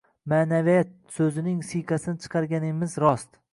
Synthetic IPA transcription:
maːnavijat̪̚sɵzɪnɪŋsiqʰɑsɪnɪt͡ʃʰɨ̥qʰɑɾɡʲanɪmɪzɾɒst̪

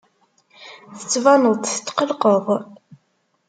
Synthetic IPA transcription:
θət͡sːvɑnəðˤt̪θə̥t̪ːqəlqəðˤ

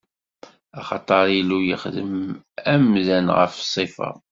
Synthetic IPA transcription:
ɑχɑt̪ˤɑɾˤilujə̰χðəm | æmðænʁə̰fsˤːifɑ̰

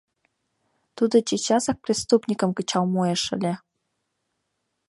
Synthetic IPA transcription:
t̪ud̪ŏt͡ɕit͡ɕɑsɑk̚prʲist̪upnʲikə̆mkə̆t͡ɕɑlmoeʃə̰̆lʲĕ

